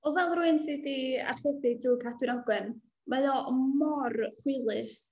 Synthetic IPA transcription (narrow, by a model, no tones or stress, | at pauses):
ɔvɛlˠruɨnsɨdia̰rχədɨdruːkʰatwɨnɔɡwɛn | mɛjɔmɔrχwɪlˠɨs